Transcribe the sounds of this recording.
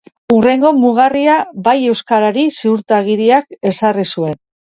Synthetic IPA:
ure̞ŋɡo̞muɣ̞ariabaje̞wskaɾaɾisiuɾt̪aɣ̞iɾiake̞sarisue̞n

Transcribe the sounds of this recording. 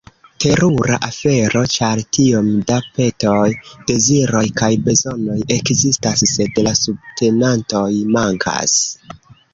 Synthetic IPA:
te̞ɾuɾa̰ʔafe̞ɾo̞t͡ʃaɾtio̞mdape̞to̞jd̥e̞ziɾo̞jkajbe̞zo̞no̞je̞kzistasːe̞dlasub̚tʰe̞nanto̞jmaŋkʰa̰s

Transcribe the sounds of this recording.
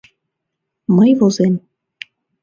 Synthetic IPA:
məjvozem

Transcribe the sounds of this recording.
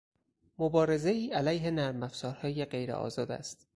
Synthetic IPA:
mobɒːɾe̞ze̞iːælæjɦe̞næɾmæfsɒːɾhɒːjeɢe̞jɾḛʔɒ̰ːzɒːd̪æ̰st̪

